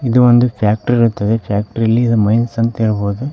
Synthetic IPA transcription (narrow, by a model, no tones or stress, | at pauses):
id̪uʋond̪upʰjaːk̚ʈɐɾiɾut̪ːɐd̪epʰjaːk̚ʈɐɾɐlːiːd̪umɐjnsɐnt̪ɐiɭɐboːd̪u